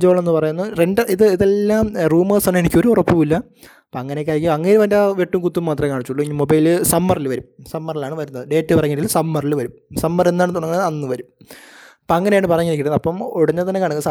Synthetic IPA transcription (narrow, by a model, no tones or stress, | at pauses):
d͡ʑoːɭenːɨpɐrɐjunːɐrenɖɐʔiðɨiðe̞lːaːmruːmɐːsɐɳenikʲːo̞ɾuurɐpːuʋilːɐ | poɐŋːɐnek̬ʲːaːɾjɐkʲːiɐŋːejɾuʋɐndɐʋe̞ʈːumkut̪ːumːaːt̪rɐmkaːɳit͡ɕːuɭːuiɲːmobɐjilɨsɐmːɐrilʋɐɾumsɐmːɐrilaːɳɨʋɐɾunːɐðɨɖe̞ːtːɨpɐrɐɲːiʈːilsɐmːɐrilʋɐɾumsɐmːɐre̞nːaːɳt̪uɳɐŋɐɳɐnːɨʋɐɾum | poɐŋːɐneajɳɨpɐrɐɲːiɾikʲːiʈunːɐpːɐmoɽɐɲːɐt̪ɐnːekaːɳuŋːɐsɐ